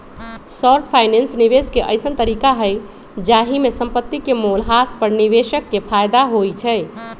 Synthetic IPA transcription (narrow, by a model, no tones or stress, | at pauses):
sɔɾʈpʰaɪnensniʋeskeʔə̰ɪsənt̪əɾikaɦəj | d͡ʒaɦimesəmpət̪ːikemolɦaspəɾniʋeʃəkːepʰajd̪aɦojt͡ʃʰəj